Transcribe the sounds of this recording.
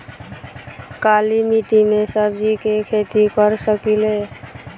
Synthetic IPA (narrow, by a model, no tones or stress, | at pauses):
kaːlimiʈimesəb̚d͡ʒikekʰeːt̪ikəɾsəkileː